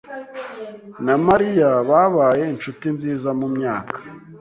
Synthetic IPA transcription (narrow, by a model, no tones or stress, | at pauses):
namaɾijaβaβaːje̞int͡ʃutinziːzamumɲaːkḁ